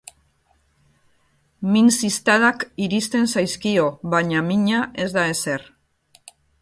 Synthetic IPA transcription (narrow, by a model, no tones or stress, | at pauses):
minsist̪aðakiɾist̪e̞nsajskio̞βaɲamiɲaʔe̞zd̪ae̞se̞r